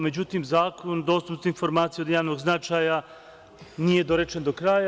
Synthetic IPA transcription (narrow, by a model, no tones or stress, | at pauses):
me̞d͡ʑut̪imzaːkond̪o̞ːst̪upt̪info̞ɾmaːt̪sijeo̞d̪jaːʋnoɡznat͡ʃaːja | nije̞d̪oɾet͡ʃend̪okɾaːja